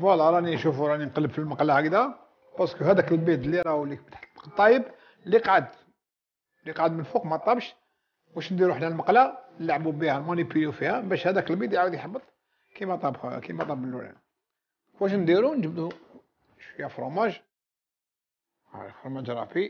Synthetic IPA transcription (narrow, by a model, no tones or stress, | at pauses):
wælːɑɾˤɑniʃufuɾˤɑninqləbfilməqlahkd̪æ | bɑskuhæd̪ækəlbit̪lːiɾˤɑwlːikbt̪ħqt̪ˤːɑjəb | liqʕəd̪ | liqʕəd̪mənfuqmæt̪ˤːɑbʃ | wæʃnd̪iɾuħnælməqlanlaʕbubihælmonipulufihæbæʃhæd̪ækəlbid̪jʕawəd̪jħɑbːət̪ˤ | kimæt̪ˤɑbkimæt̪ˤɑbəlːulæ̰n | wæʃ̬nd̪iɾund͡ʒəbd̪u | ʃjæfɾumæʒ | fɾumæʒɾˤɑ̰fi